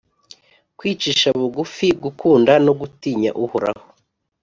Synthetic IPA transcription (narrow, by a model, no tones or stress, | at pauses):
kwiːt͡ʃiʃaβuɡufiɡukʰuːndanoɡutiːɲa̰ʔuhuɾa̰ho